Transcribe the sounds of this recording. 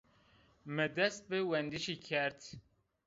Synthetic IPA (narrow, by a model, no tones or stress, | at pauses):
mɨd̪ɛst̪̚bɨwɛnd̪iʃikʰɛɾt̪ʰ